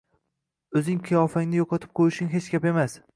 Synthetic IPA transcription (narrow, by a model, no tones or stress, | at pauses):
ɵzɪŋqʰɨjɒfaŋnɪjoqʰɒt̪ʰɪ̥p̚qʰojɪʃɪŋɦet͡ʃkʲape̞mas